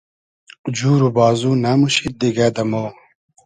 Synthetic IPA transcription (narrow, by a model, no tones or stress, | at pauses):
d͡ʑuːɾubaːzuːnamuɕit̪̚d̪iɡaːd̪ɐmoː